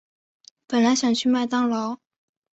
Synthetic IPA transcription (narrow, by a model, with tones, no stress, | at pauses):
pə˨˩nla˧˥ɪɕjɑ˨˩ŋt͡ɕʰy˥˧ma˥˧ɪt̪ɑ˥ŋlɑ˧˥ʊ